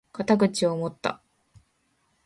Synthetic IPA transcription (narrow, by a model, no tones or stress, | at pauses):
kat̪aɡɯ̟t͡ɕio̞mo̞t̪ːa̰